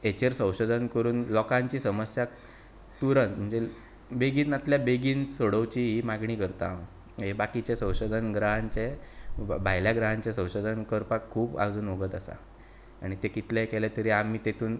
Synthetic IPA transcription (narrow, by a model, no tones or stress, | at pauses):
et͡ɕeɾsə̃w̃ɕod̪ʱənkəɾuːnlɔkãɲt͡ɕiːsəməsja | t̪uɾənm̤ənd͡ze | beɡiːnat̪ljabeɡiːnsoɽəʋt͡ɕiːɦimaɡɳiːkəɾt̪a̰ʋ | ɦebakit͡ɕesə̃w̃ɕod̪ʱənɡɾaɦãɲt͡ɕe | bʱaɦjljaɡɾəɦãɲt͡ɕesə̃w̃ɕod̪ʱənkəɾpakʰːuːba̰d͡zuːnʋoɡət̪asa̰ | a̰ɽ̃it̪ekit̪lekɛlet̪əɾiːamiːt̪et̪ʰuːn